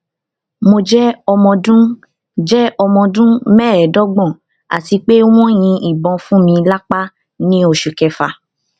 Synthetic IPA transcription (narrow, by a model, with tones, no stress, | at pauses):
mo˧d͡ʒɛ˦ɔ˧mɔ̃˧dũ˦ | d͡ʒɛ˦ɔ˧mɔ̃˧dũ˦mɛ˦˨ɛ˨dɔ˦ɡ͡bɔ̃˦˨ | a̰˨ti˨˧k͡pe˦w̃ɔ̃˦j̃ĩ˧i˨bɔ̃˨˧fũ˦mĩ˧la˦k͡pa˦ | nĩ˦o˧˨ʃu˨kɛ˨˧fa˧